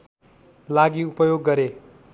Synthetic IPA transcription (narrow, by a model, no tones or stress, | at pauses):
laɡiupʌjoɡːʌɾe